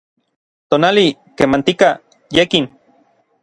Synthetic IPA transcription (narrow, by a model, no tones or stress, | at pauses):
t̪oːnalikemant̪ika | jekin